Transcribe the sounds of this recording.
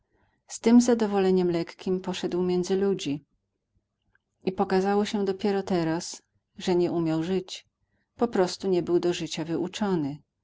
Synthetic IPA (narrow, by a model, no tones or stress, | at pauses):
st̪ɘmzad̪ɔvɔlɛɲɛmlɛkkʲimpɔʂɛd̪wmʲjɛnd̪zɘlud͡ʑi | ipɔkazawɔɕɛd̪ɔpʲjɛɾɔt̪ɛɾas | ʐɛɲɛʔumʲjawʐɘt͡ɕ | pɔpɾɔst̪uɲɛbɘwd̪ɔʐɘt͡ɕavɘʔut͡ʂɔnɘ